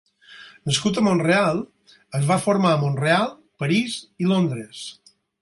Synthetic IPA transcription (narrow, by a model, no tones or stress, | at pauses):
nəskut̪əmonrealˠ | əzβafoɾmaəmonrealˠ | pəɾizilond̪ɾəs